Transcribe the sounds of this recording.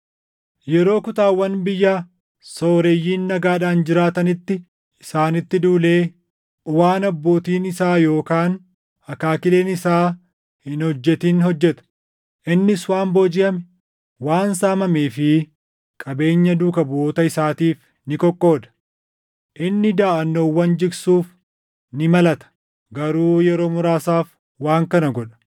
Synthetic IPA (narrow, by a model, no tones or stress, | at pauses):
jɛɾo̞ːkʊt̪aːwːɐnbɪjːaː | soːɾejːiːnːɐɡaːᶑaːnd͡ʒɪɾaːt̪ɐnɪt̪ːɪ | ɪsaːnɪt̪ːɪd̪uːle̞ː | ʔʊwaːnɐbːo̞ːt̪iːnɪsaːjo̞ːkaːn | ɐkaːkɪleːnɪsaː | hɪnhɔd͡ʒːɛt̪inhɔd͡ʒːɛt̪ɐ̥ | ʔɪnːɪswaːmboːd͡ʒɪʔɐmɛ | waːnsaːmɐmeːfɪ | kʼɐbe̞ːɲːɐd̪ʊːkɐbʊoːt̪ɐɪsaːt̪iːf | nɪkɔkʼːo̞ːd̪ɐ̥ | ʔɪnːɪd̪aːʔɐnːoːwːɐnd͡ʒɪɾsuːf | nɪmɐlɐt̪ɐ̥ | ɡɐɾuːjɛɾo̞ːmʊɾaːsaːf | waːŋkɐnɐɡɔᶑɐ̥